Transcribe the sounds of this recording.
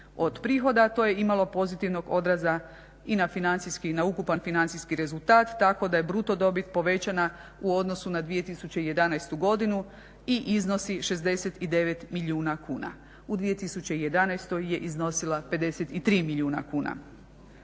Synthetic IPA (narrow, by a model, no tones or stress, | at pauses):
o̞d̪pɾiːxo̞d̪at̪o̞je̞imalo̞po̞zit̪iʋno̞ɡo̞d̪ɾaza | inafinant̪siskinaukupanfinant̪siskiɾe̞zulˠt̪aːt̪ːako̞d̪aje̞bɾut̪o̞d̪o̞bit̪̚po̞ʋe̞t͡ɕana | uo̞d̪no̞sunad̪ʋije̞t̪isut͡ɕe̞ije̞d̪anajst̪uɡo̞d̪inu | iʔizno̞siʃe̞zd̪e̞set̪id̪e̞ʋet̪miʎʲuːnakuːna̰ | ud̪ʋije̞t̪isut͡ɕe̞ije̞d̪anajst̪o̞jːe̞ʔizno̞silˠape̞d̪e̞set̪it̪ɾiːmiʎʲuːna̰kuːna̰